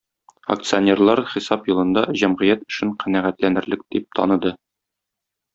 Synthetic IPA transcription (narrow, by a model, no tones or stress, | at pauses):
ɐ̰k̚t̪sɨonʲerlˠɑɾχisɑpjulˠɤ̆nd̪ɑʑæmʁɘ̆jæt̪ɵ̥̆ʃɘɴqænæʁæt̪lænɘ̆ɾlɘk̚d̪̥ip̚t̪ʰɒ̰nɤ̆d̪ɤ